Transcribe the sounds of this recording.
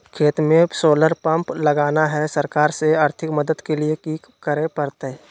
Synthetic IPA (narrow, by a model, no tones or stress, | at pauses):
kʰeːt̪mẽsoːləɾpə̃mpləɡaːnaɦɛsəɾkaːɾseaːɾt̪ʰɪkməd̪əd̪keliekiːk | kəɾepəɾt̪eɦ